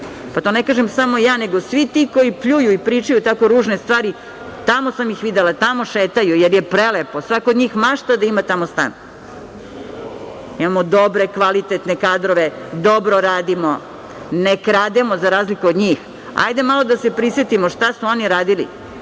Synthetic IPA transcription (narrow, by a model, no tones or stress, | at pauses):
pat̪onekaːʒemsamo̞jaːne̞ɡosʋit̪iko̞ipʎujuipɾiːt͡ʃajut̪ako̞ɾuːʒnest̪ʋaːɾi | t̪amo̞samjixʋid̪elat̪amo̞ʃeːt̪ajujeɾjepɾeleposʋakood̪ɲiːxmaʃt̪ad̪aimat̪amost̪a̰n | imamod̪o̞bɾe̞kʋalit̪et̪nekaːd̪ɾoʋed̪obɾoɾaːd̪imo | nekɾaːd̪emozaɾaːzlikuod̪ɲiːx | a̰jd̪emalˠod̪asepɾisʋet̪imoʃt̪asuo̞niɾaːd̪ilḭ